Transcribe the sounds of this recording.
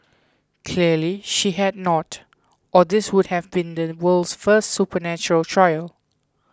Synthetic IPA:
kʰliəliʃiɦɛd̚nɔt | ʔɔdɪswʊd̚hɛvbĩndəwəlsfəstsupənæt͡ʃɔɹəltʰɹajəl

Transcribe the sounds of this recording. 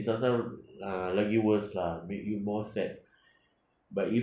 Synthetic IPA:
sataãlaɡiwəslamekjumɔsɛt̚ | bati

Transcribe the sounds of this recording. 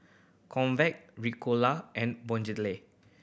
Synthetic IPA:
kʰɔ̃nvɛk̚ɹikʰolaʔɛ̃nbɔ̃nd͡ʒitle

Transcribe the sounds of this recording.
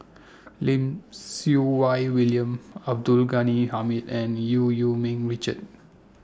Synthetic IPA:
lĩmsuwajwiliə̃mab̚dulɡanihamitɛ̃njujumĩŋɹit͡ʃəd̚

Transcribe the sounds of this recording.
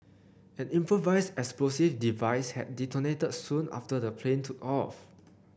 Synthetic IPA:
ɛ̃nĩmpɹovaɪsdɛksplosivdivaɪshɛ̰t̚ditɔnetədsũna̰ftədəpʰlẽntʰukɔf

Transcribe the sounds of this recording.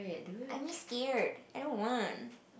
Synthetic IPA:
ɨdãɪ̃miskɛɹd̥aɪdɾõʊ̃nwɑ̃n

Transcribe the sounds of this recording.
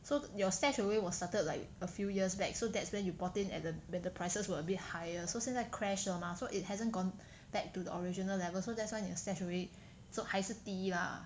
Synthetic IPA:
sojɔstɛt͡ʃəwewɔstatəd̚laɪk | əfjujiəsbɛk̚sodɛtswɛ̃njubɔtɪ̃nɛ̰t̚dəwɛ̃ndəpʰɹ̥aɪsəswəəbit̚hajəsosĩŋlaɪkʰɹɛʃəmasoʔɪt̚hɛzə̃nɡɔ̃n | b̥ɛk̚tudəʔɔɹid͡ʒinəlɛvəlsodɛtswãɪ̃jɔstɛʃəwe | sohaɪsətila̰

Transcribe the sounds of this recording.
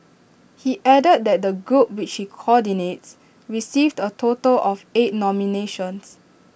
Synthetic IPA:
hiʔɛdəd̚dɛt̚dəɡɹup̚wit͡ʃhikʰɔdinets | ɹisivdətʰotəlʔɔfet̚nɔmineʃə̃ns

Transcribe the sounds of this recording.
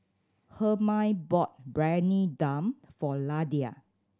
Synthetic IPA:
həmãjbɔt̚bɹɛnidãmfɔladia̰

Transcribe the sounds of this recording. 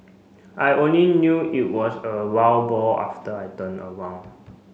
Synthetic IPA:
ʔajʔõnlinjuit̚wɔsəwawbɔla̰ftəajtə̃nə̰wãwn

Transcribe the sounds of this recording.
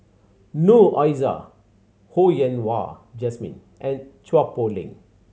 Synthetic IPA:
nuʔajza̰ | hojɛ̃nwa̰d͡ʒɛsmḭ̃n | ʔɛ̃nt͡ʃwapolḭ̃ŋ

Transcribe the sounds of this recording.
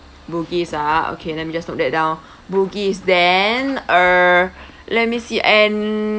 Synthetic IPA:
buɡisao̰kʰedɛ̃nmid͡ʒasnɔk̚dɛt̚dãw̃n | buɡisdɛnə | lɛt̚misiʔɛ̃n

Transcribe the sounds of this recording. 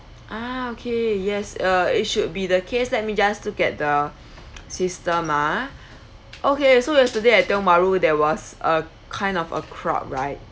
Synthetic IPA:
ʔaokʰejɛsʌit̚ʃud̚bidəkʰeslɛt̚mid͡ʒastukɛt̚də | sistə̃ma | ʔokesojɛstədeatɛ̃maɹodɛwɔsə | kʰãɪ̃ndɔfə̰kʰɹɔ̰p̚ɹaɪt̚

